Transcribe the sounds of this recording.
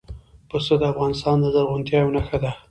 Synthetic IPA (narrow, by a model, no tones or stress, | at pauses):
pəsod̪əafɣɑnɪst̪ɑnd̪əzəɾɣʊnt̪jɑjwnaxad̪a